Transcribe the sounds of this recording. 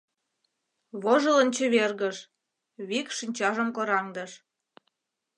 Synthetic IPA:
βoʒə̆lə̆nt͡ɕə̆βerɣəʃ | βikʃinʲt͡ɕɑʒə̆mkoɾɑŋd̪ə̆ʃ

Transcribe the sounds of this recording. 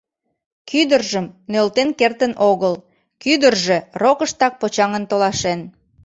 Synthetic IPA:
kyd̪ərʒəmnølt̪enkert̪ənʔoɣəl | kyd̪ərʒĕrokəʃt̪ɑk̚pot͡ɕɑŋənt̪olɑʃen

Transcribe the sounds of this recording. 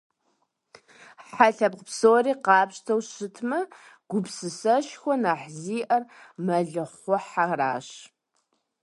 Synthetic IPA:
ħaɬɐbqəpsoːriːqɑːpɕtʰɐwɕɨtʰmɐ | ɡ̥ʷʊpsɨsɐʃxʷɔnaːħziːʔɐrmɐɮɨχʷɔħara̰ːɕ

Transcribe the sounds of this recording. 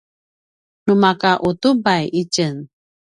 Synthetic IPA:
numakaʔut̪ubajʔit͡ʃən

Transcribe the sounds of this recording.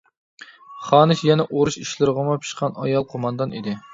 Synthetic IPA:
χɑːnɨsjɛnɛʔoɾuʃiʃlɨɾʁəmɑpʰt͡ʃʰi̥ʃqʰɑnɑ̰jɑlˠqʰomɑnd̪ɑnḭd̪ɪ

